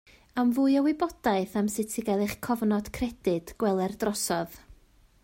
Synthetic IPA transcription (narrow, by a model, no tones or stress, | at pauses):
amvuːɨjɔwɪbɔd̥aɨθamsɪtʰiɡɛlˠɨχkʰɔvnɔd̥kʰrɛd̥ɪd̥ɡ̥wɛlˠɛrdrɔsɔð